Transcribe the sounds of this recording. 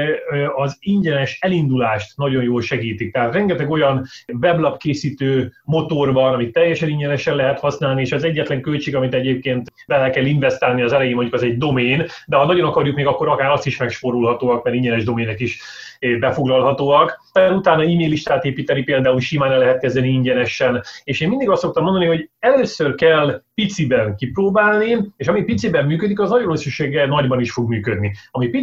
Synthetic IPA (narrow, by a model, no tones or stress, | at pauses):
ɒziɲɟɛnɛʃɛlind̪ulaːʃt̪nɒɟo̞njoːlʃɛɡiːt̪ik̚t̪ɛɦaːt̪rɛŋɡɛt̪ɛɡo̞jɒnvɛblɒpkeːsiːt̪øːmo̞t̪o̞rbɒnɒmit̪ːɛjːɛʃɛniɲɟɛnɛʃɛnlɛɦɛt̪hɒsnaːlnieːʃɛzɛɟːɛt̪lɛŋkølt͡ʃeːɡɒmit̪ɛɟeːp̚keːnt̪bɛlɛkɛliɱvɛst̪aːlniɒzɛlɛjeːmoɲɟukɛzɛɟ̚d̪o̞meːn | d̪ɛɦɒnɒɟo̞nɒkɒɾjukmeːɡɒkːo̞ɾɒkaːɾɒst̪iʃmɛkʃpoɾulɦɒt̪oːɒkmɛɾiɲɟɛnɛʒd̪o̞meːnɛkiʃ | bɛfo̞ɡlɒlɦɒt̪oːɒk | ɛɛɾut̪aːnɒiːmeːjlːiʃt̪aːt̪eːpiːt̪ɛnipeːld̪aːulʃimaːnɛlɛɦɛt̪̚kɛzd̪ɛniiɲɟɛnɛʃɛneːʃeːmind̪iɡɒst̪ːo̞k̚t̪ɒmːnd̪ɒniɦo̞ɟɛløːsørkɛlːpit̪sibɛnkiproːbaːlnieːʃɒmipit̪sibɛmːyːkød̪ikɒznɒɟoɾøsyʃeːɡɛnɒɟbɒniʃfo̞ɡmyːkød̪̚niɒmipi